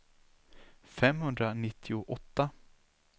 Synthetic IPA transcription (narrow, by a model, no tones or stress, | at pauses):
fɛmhɵnd̪ɾanɪt̪ʰːɪʊʔɔt̪ːa